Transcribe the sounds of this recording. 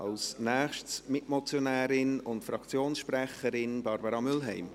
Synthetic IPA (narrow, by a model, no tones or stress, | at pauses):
ɑ̰lsnɛːχʃtsmɪtmot͡sjonɛːɾɪnʊntfɾɑkt͡sjoːnsʃprɛχəɾɪnb̥ɑɾbəɾɑmʏlɦɛɪm